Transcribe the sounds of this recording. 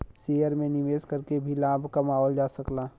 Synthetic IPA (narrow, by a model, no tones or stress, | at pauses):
sejəɾmẽnɪʋeːskəɾkebʱilaːbʱkamaːɦɔːld͡ʒaːsəklaː